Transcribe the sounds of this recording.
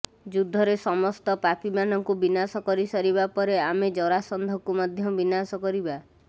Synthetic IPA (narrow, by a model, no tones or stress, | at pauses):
d͡ʒud̪ʱːɔɾesɔmɔst̪ɔpapimanɔŋkubinasɔkɔɾisɔɾibapɔɾeamed͡ʒɔɾasɔnd̪ʱɔkumɔd̪ʱjɔbinasɔkɔɾiba